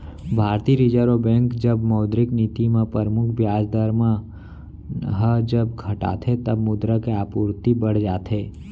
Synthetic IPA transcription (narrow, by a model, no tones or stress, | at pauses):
bʱaːɾt̪iɾid͡ʒəɾobɛ̃ːŋkd͡ʒəbməːd̪ɾɪknit̪imãpəɾmʊkʰbjaːd͡ʒd̪əɾmã | ɦəd͡ʒəbɡʰʱɐʈa̰ːt̪ʰet̪əbmʊd̪ɾəkeaːpuːɾt̪ibəɽ̤d͡ʒaːt̪ʰeː